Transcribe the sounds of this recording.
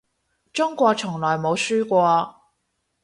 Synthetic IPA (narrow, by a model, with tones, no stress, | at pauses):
t͡ʃʊ˥ŋkʷɔː˧k̚t͡ʃʰʊ˨˩ŋlɔː˨˩jmo˨˧wsyː˥kʷɔː˧